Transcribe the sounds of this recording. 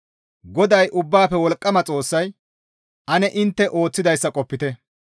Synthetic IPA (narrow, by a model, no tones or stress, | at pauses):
ɡɔd̪ɐjʔʊbːaːpɛwɔlkʼːɐmɐt͡sʼo̞ːsːɐj | ʔɐnɛʔɪnt̪ːɛʔo̞ːt͡sːɪd̪ɐjsːɐkʼɔpːɪt̪ɛ